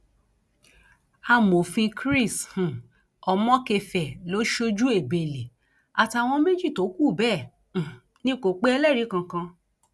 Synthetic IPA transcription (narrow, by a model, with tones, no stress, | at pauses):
a˧mo˨fĩ˧kɾi˦˨shũ˨ | ɔ˨mɔ̃˦ke˧˨fɛ˨lo˨˦ʃo˧˦d͡ʒu˦e˦˨be˨le˨ | a˨ta˨w̃ɔ̃˧me˦d͡ʒi˦˨to˨˦ku˦˨bɛ̃ː˦˨ | nĩ˧˦ko˨k͡pe˦ɛ˧lɛ˦˨ɾi˨˦kã˧kã˧